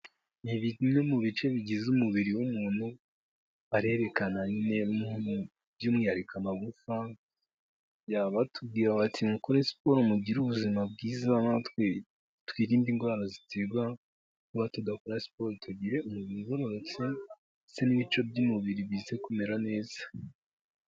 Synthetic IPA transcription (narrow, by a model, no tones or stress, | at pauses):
niβimŋe̞muβit͡ʃe̞βiɟizumuβiɾiwumuːn̥hu | aɾe̞ɾe̞kanaɲine̞muu | bjuːmŋiaɾikʰamaɡufa | jaβatʰub̚ɡiːɾaβatʰiŋukoɾesi̥po̞ɾomuɟiɾuβuzimab̚ɡiːzanat | twiːɾiːmbiːŋɡwaɾazitʰeɡwa | kuβatudakoɾasi̥po̞ɾotʰuɟiɾe̞ʔumuβiɾiβoɾoɾot͡se | seniβit͡ʃo̞bjumuβiɾiβize̞kume̞ɾane̞ːz̥ḁ